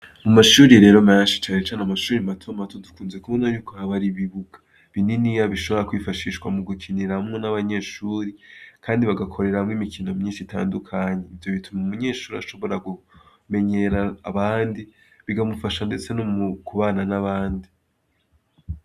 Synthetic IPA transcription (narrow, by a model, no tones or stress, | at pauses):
mumaʃuːɾiɾe̞ːɾo̞menʃi̥t͡ʃaːnet͡ʃanamaʃuːɾimatʰomatʰo̞dukuːnze̞kuβonaɲuːkohaβaɾiβiβuɡḁ | βininijaβiʃo̞βo̞ɾakwiːfaʃiːʃwamuɡukʰiniɾahamŋenaβaɲe̞ːʃuːɾikʰaːndiβaɡakʰo̞ɾe̞ɾahamŋimikʰinomɲiːnʃitʰa̰ːndukʰaɲeivjo̞βitʰumaumuɲe̞ːʃuːɾia̰ʃo̞βo̞ɾaɡu | me̞ɲe̞ɾaːβaːndi | βiɡamufaʃande̞t͡se̞nomkuβaːnanaβaːndi